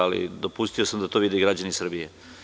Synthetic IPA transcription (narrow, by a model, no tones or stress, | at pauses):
alḭd̪o̞pust̪io̞samd̪at̪o̞ʋid̪eɡɾad͡ʑanisr̩bije